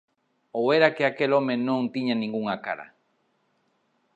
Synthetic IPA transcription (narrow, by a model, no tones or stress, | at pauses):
oweɾakeakelomẽnõnt̪iɲãnĩŋɡuŋakaɾa̰